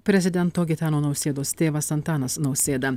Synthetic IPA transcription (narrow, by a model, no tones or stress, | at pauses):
pʲɾʲɛzʲɪd̪ʲɛnt̪oːɡʲɪt̪ʲɑːnoːnɐʊsʲeːd̪oːst̪ʲeːʋɐsɐnt̪ɑːnɐsnɐʊsʲeːd̪ɐ